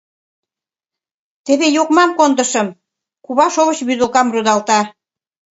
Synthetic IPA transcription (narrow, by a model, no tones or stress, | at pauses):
t̪eβejokmɑmkond̪ə̆ʃə̆m | kuβɑʃoβə̆t͡ɕβyd̪əlkɑmrud̪ɑlt̪ɑ